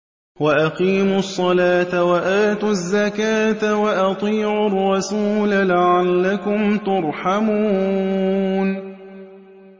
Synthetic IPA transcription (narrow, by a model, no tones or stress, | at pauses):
waʔaqiːmʊsˤːɑlaːt̪awaʔaːt̪ʊzːakaːt̪awaʔɑt̪ˤiːʕʊrˤːɑsuːlalaʕalːakʊmt̪ʊɾˤħamuː | n